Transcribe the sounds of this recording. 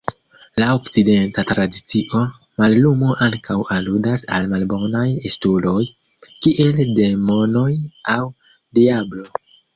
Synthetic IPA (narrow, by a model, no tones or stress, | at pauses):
laokt͡side̞ntatɾadit͡siʔo̞ | malːumoʔaŋkʰawaludasa̰lmalbo̞najestulo̞j | kiʔe̞lde̞mo̞no̞jaw | diablo̞